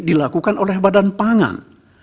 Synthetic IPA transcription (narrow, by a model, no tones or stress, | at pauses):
dilakukanʔolɛhbadanpaŋa̰n